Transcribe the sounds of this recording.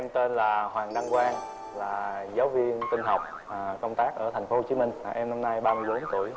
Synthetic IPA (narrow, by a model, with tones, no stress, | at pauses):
ʔɛ˧mt̪e˧nlaː˨˩hwaː˨˩ŋɗa˧ŋkwaː˧n | laː˨˩zaː˨˦wvi˧ənk̪ï˧ŋ̟ɦa˨˩wk͡p̚ | aː˨˩kə˧wŋ͡mt̪aː˦˥k̚ʔəː˧˩t̪ʰɛ˨˩ŋ̟fo˦ht͡ɕi˨˦mï˧ŋ̟aː˨˩ʔɛ˧mna˧mna˧jɓaː˧mɨ˧jɓo˨˦nt̪u˧˩əj